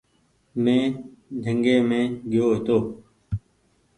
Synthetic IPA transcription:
mẽːd̪ʱəŋɡeːmẽːɡʱɪjoːɦet̪oː

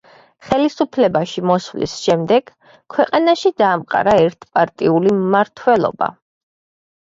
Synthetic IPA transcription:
χɛlisupʰlɛbaʃimɔsvlḭsʃɛmd̪ɛɡ̥ | kʰwɛqʼanaʃid̪aːmqʼa̰ɾaɛɾt̪ʰpʼaɾt̪ʼiulimːaɾt̪ʰwɛlˠɔ̰ba̰

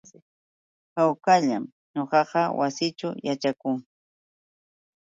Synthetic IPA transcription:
kawkaʎam | ɲoqɑqɑwasɪt͡ʃʊjat͡ʃakʊŋ

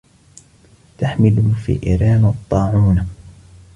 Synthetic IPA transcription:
t̪aħmɪlhʊfḭːʔɪ̰ɾɑːnɑt̪ˤːɑːʕuːn

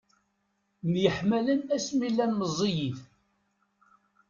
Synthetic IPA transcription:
mjəħmælənæsmilːænməzˤːijiθ

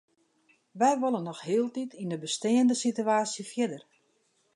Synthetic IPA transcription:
ʋɛjʋolˠənːɔxhɪəlˠtitʰindəbəsteːəndəsityaːsjəfjɪdər

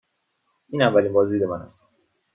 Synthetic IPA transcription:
ʔiːnævːæliːnbɒːziid̪emænæ̰st̪

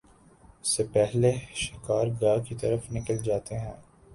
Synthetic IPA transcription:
ʊsepɛɦleʃɪkaːɾɡaːkit̪ɐɾəfnɪkəld͡ʒaːt̪eɦɛ̃ː

